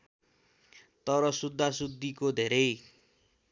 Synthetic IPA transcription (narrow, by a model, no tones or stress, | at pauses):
t̪ʌɾʌsud̪ʱːasud̪ːikod̪ʱeɾʌj